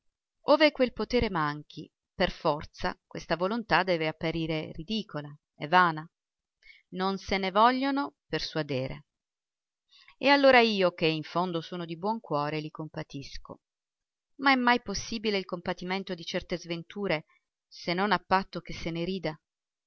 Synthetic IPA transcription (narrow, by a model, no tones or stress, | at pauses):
oːvekwelpot̪ɛːɾemaŋk̟ʰḭ | perfɔrt̪sa̰kwest̪avolont̪ad̪ːɛːveapːaɾiːɾerid̪iːkʰola | ɛ̰vːaːna | nonsenevɔʎːonoperswad̪eːɾḛ | ealːoːɾaiːok̟eiɱfond̪osoːnod̪ibwɔŋkwɔːɾelikompat̪isko̰ | maɛmːajposːiːbileilkompat̪ːiment̪od̪it͡ʃɛrt̪ezvent̪uːɾe | senːonapːat̪ːok̟esːeneɾiːd̪a